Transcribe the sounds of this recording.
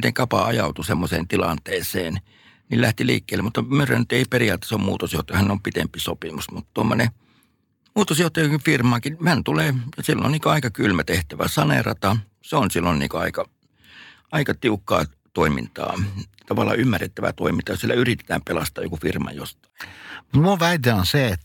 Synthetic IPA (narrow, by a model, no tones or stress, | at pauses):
t̪eŋkɑpɑɑjɑut̪usemːosḛːnt̪ilɑnt̪eːsḛːn | nillæht̪ilḭːkːeːlːemut̪ːɑmøræ̰nyt̪eiperiɑːt̪ːˑe̥sommṵːt̪osjoht̪ɑjɑhæneompit̪empisopimusmut̪ːt̪uomːone | muːt̪osjoht̪ɑjɑkifirmɑkihænt̪uleːjɑsilːo̰nniːŋkoɑikɑkylmæt̪eht̪æʋæ̰sɑnḛrɑ̰t̪ɑ | seonsilːonnḭːŋkøɑ̰ikɑ | ɑikɑt̪iukːɑ̰ː | t̪oimḭnt̪ɑ̰ː | t̪ɑʋɑlˑːɑ̰ːymːærːet̪ːæʋæ̰t̪o̰imint̪ɑjosielːæyrit̪e̥t̪æ̰ːmpelɑst̪ˑɑːjo̰kufirmɑ̰jo̰st̪ɑ̥imut̪muoʋæit̪eonseet̪